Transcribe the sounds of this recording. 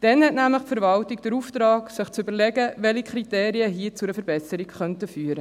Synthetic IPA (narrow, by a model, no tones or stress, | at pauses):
d̥ɛnhɛtnæmləχpfəɾvɑltikd̥əɾuft̪ɾɑːksɪχt͡sʏbəɾlɛɡəʋɛlikʰχɾiteːɾiəɦiːt͡suɾəfəɾbɛsəɾikχœntəfyːɾə